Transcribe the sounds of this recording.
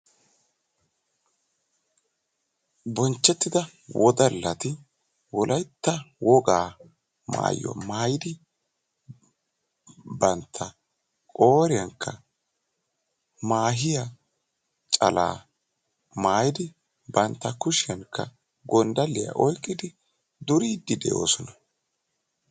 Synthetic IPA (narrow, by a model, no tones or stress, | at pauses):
bɔnt͡ʃːɛt̪ːɪd̪ɐ | wʔɔd̪ɐlːɐt̪ɪ | wɔlʔɐjt̪ːɐwɔɡaː | ma̰ːjːɔ̰maːjɪd̪ɪ | bɐnt̪ʰːɐ | kʼoːɾɪjɐŋkʰːɐ | maːɦɪjɐ | t͡ʃʼɐla̰ː | maːjɪd̪ɪ | bɐnt̪ːɐkʊʃɪjɐŋkːɐ̰ | ɡɔnd̪ɐlːɪjɐ̰ʔɔjkʼːɪd̪ɪ | d̪ʊɾiːd̪ːɪd̪ɛ̰ʔo̞̰ːsɔnɐ̥